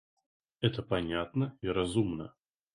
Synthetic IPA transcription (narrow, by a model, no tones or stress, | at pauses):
ɛt̪əpɐnʲat̪nəiɾɐzumnə̰